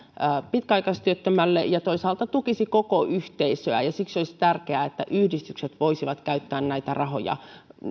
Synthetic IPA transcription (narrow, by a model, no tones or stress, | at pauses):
pit̪kæɑikɑst̪yøt̪ːømælːḛjɑt̪oisɑːlt̪ɑt̪ukisikokoʔyht̪eisøæ̰jɑsiksolist̪ærkeæet̪ːæʔyhdist̪ykset̪ʋoisiʋɑt̪kæyt̪ːæːnnæit̪ærɑho̰jɑ̰